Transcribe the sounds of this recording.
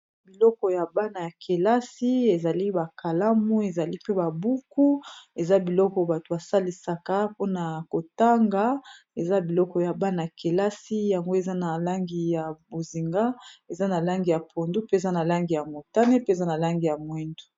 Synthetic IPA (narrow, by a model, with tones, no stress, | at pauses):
bi˨lɔ˦kɔ˨ja˨ba˦na˨ja˨kʰe˨la˦si˦e˨za˨li˦ba˨ka˨la˦mu˦e˨za˨li˦pe˦ba˨bu˦ku˦e˨za˦bi˨lɔ˦kɔ˨ba˨to˨ba˨sa˦li˨sa˨ka˦po˦na˨ko˨ta˦ŋɡa˨˦ | e˨za˦bi˨lɔ˦kɔ˨ja˨ba˦na˨ja˨ke˨la˦si˦ja˨ŋɡo˦e˨za˦na˨la˦ŋɡi˨ja˨bo˨zi˨ŋɡa˦e˨za˦na˨la˦ŋɡi˨ja˨pʰo˨ndu˦pe˦˨za˦na˨la˦ŋɡi˨ja˨mo˨ta˦ne˦pe˦e˨za˦na˨la˦ŋɡi˨ja˨mwɛ˦ndu̥˨